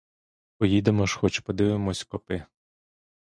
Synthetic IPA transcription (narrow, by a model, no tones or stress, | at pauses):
pɔjid̪emɔʃxɔt͡ʃpɔd̪ɪʋɪmɔsʲkɔpɪ